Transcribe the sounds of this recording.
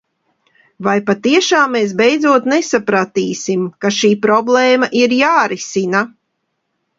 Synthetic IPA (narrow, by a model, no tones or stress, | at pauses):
vajpat̪iɛʃaːmːeːs̬bɛjd̪zuɔt̪nesapɾat̪iːsimkaʃiːpɾɔblˠɛːmaʔiɾjaːɾisina